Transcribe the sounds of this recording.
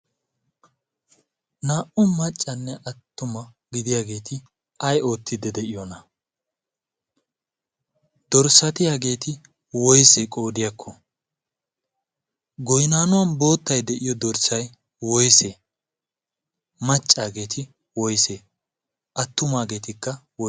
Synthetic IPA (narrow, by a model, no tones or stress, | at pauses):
naːʔʊmɐt͡ʃʼːɐnːɛʔɐt̪ːʊmɐ | ɡɪd̪ɪjaːɡe̞ːt̪ɪ | ɐjo̞ːt̪ʰːɪd̪ɛd̪ɛʔɪjɔnɐ | d̪̥ɔɾsɐt̪ɪjaːɡe̞ːt̪ɪ | wɔjsekʼo̞ːd̪ɪjɐkʰːɔ | ɡɔjnaːnʊwɐnbo̞ːt̪ːɐjd̪ɛʔɪjɔd̪ɔɾsɐj | wɔjse | mɐt͡ʃʼːaːɡe̞ːt̪ʰɪ | wɔjseː | ʔɐt̪ːʊmaːɡe̞ːt̪ɪkːɐwɔ